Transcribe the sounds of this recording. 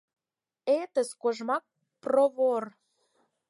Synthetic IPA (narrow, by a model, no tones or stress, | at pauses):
et̪ə̆skoʒmɑk̚ | proβor